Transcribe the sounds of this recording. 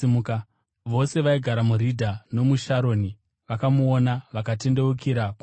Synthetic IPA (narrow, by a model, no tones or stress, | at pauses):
imuka | ʋo̞se̞ʋaiɡʱaɾamuɾidʱano̞muʃaɾo̞ːni | ʋakamuonaʋakate̞nde̞ukiɾaku